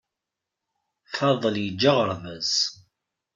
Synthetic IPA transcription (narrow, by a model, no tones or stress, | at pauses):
fɑðˤːəljəd͡ʒːəʁəɾˤvəz̥